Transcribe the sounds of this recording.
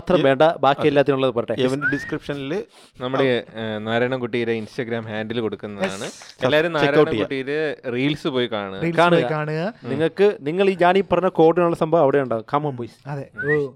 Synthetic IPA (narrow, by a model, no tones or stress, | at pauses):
at̪rɐʋe̞ːɳɖɐbaːkiɐilːaːt̪ːinuɭːɐðɨpoɾɐʈːeʋɐneɖiskripʂɐnil | nɐmːɐɽenaːɾɐɳɐmkuʈːijɾeinsʈɐɡɾaːmhaːnɳɖilko̞ɽukːunːɐðaːɳɨlːaːʋɐɾumnaːɾɐɐɳɐmkːuʈːijɾeriːlsɨpo̞ːjikaːɳuɣɐiːlkaːɳɨɣjɐkaːɳuɣɐniŋːɐɭkɨniŋːɐɭiːɲaːnipːɐrɐɲːɐko̞ːʈːinuɭːɐsɐmbʱɐʋɐʋiɽeuɳɖaːumkɐmːɐmpoisɐðe